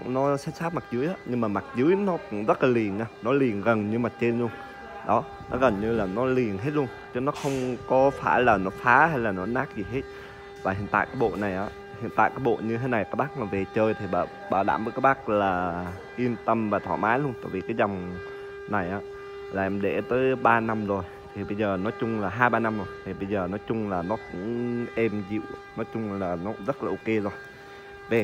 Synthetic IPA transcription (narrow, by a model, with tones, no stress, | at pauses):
nɔ˨˦sɛ˦˥t̚saː˦˥t̚ma˨˩k̚zɨ˨˦jʔaː˨˦ɲɨ˧ŋmaː˨˩ma˨˩t̚zɨ˨˦əjnɔ˨˦kʊ̰˧˥ŋ͡mzə˦˥t̚laː˨˩li˨˩ənʔaː˨˧˦nɔ˨˦li˨˩ənɣə˨˩nɲɨ˧maː˨˩t͡ɕe˧nlu˧ən | ɗɔ˨˦ | nɔ˨˦ɣə˨˩nɲɨ˧laː˨˩nɔ˨˦li˨˩ənɦe˦˥t̚lu˧ənt͡ɕɨ˨˦nɔ˨˦xə˧wŋ͡mkɔ˨˦faː˧˩jlaː˨˩nɔ˨˦faː˨˦ɦa˧jlaː˨˩nɔ˨˦naː˦˥k̚zi˨˩ɦe˦˥t̚ | vaː˨˩ɦḭ˧˨ənt̪a̰ː˧˨jkaː˨˦jɓo̰˧˨na˨˩jʔaː˨˦ | hḭ˧˨ənt̪a̰ː˧˨jkaː˨˦˥jɓo̰˧˨ɲɨ˧t̪ʰe˨˦na˨˩jkaː˦˥k̚ɓa˦˥k̚laː˨˩ve˨˩t͡ɕəː˧jt̪ʰi˨˩ɓa̰ː˧˩ | ɓaː˧˩wɗa̰ː˧˩mvəː˨˦kaː˦˥k̚ɓaː˦˥k̚laː˨˩ | ʔi˧əmt̪ə˧mvaː˨˩t̪ʰwa̰˧˩maː˨˦jlu˧ənt̪a̰ː˧˨jvi˨˩kaː˨˦jza˨˩wŋ͡m | na˨˩jʔaː˨˦ | laː˨˩ʔɛ˧mɗe˧˩t̪əː˨˦jɓaː˧na˧mzo˨˩j | t̪ʰi˨˩ɓə˧jzəː˨˩nɔ˨˦jt͡ɕʊ˧ŋ͡mlaː˨˩ɦaː˧jɓaː˧na˧mzo˨˩jt̪ʰi˨˩ɓə˧jzəː˨˩nɔ˨˦jt͡ɕʊ˧ŋ͡mlaː˨˩nɔ˨˦kʊ̰˧˥ŋ͡mʔɛ˧mzḭ˧˨wnɔ˨˦t͡ɕʊ˧ŋ͡mlaː˨˩nɔ˨˦zə˦˥t̚laː˨˩ʔo˧ke˧zo˧ən | ve˨˩